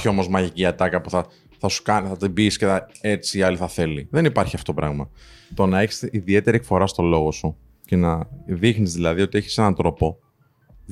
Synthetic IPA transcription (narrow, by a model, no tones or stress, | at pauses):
çio̞mo̞zmɐʝiciɐt̪ɐkɐpuθɐ | θɐsu̥kɐniθɐt̪ibisceɐe̞t͡siːɐliθɐθe̞liðe̞nipɐɾçiɐft̪oopɾɐɣmɐt̪o̞nɐe̞çi̥siðie̞t̪e̞ɾiekfo̞ɾɐst̪o̞lo̞ɣo̞su | ce̞nɐðixnizðilɐðio̞t̪ie̞çi̥se̞nɐnt̪ɾo̞po̞